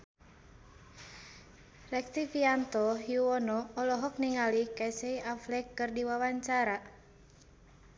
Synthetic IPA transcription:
lɛk̚sifiant̪ɔɦjuɔnɔːlɔɦɔk̚niŋalikasɛiʔaflɛkːɨrdiwawaɲt͡ʃaɾa

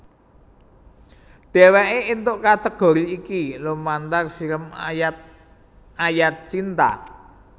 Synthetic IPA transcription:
d̪̥e̤weʔeʔint̪ʊʔkat̪əɡ̥o̤ɾiːkilumːant̪arfiləmat̪̚ | ajat̪̚t͡ʃint̪a̰

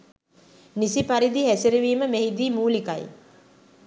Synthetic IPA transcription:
nisipaɾid̪iɦæsiɾeʋiːməmeɦid̪iːmuːlikaj

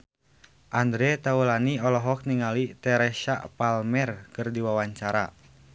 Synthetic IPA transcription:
ʔandɾɛt̪aulaniɔlɔɦɔk̚niŋalit̪ɛɾɛʃa̰ʔpalmɛrkɨrdiwawaɲt͡ʃaɾa̰

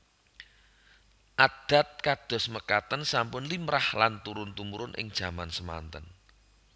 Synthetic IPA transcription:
ʔad̪̥a̤t̪̚kad̪̥ɔ̤sməkat̪ənsampʊnlimɾahlant̪uɾʊnt̪umuɾʊnʔɪ̰ŋd̥ʒ̥ä̤mansəma̰nt̪ən

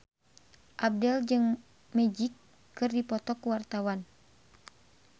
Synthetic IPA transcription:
ʔab̚dɛld͡ʒɨŋ | mɛd͡ʒikː | ɨrdipɔt̪ɔkuwart̪awan

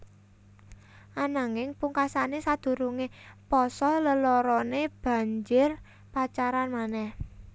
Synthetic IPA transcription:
ʔanaŋɪŋpuŋkasanesad̪̥ṳɾuŋepɔsɔləlɔɾɔneb̥a̤ɲd͡ʒɪr | pat͡ʃaɾanmanɛh

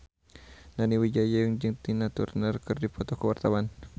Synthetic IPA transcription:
naniwid͡ʒajajəŋd͡ʒɨŋt̪inat̪ṵrnərkɨrdipɔt̪ɔkəwart̪awan

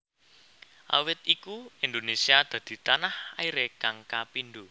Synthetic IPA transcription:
ʔa̰wɪt̪̚ikuind̪onesiad̪̥ä̤d̪̥i̤t̪anahaiɾekaŋkapind̪o

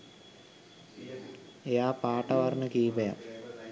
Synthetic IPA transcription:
jaːpaːʈːɐʋarnɨkiːbɐja̰

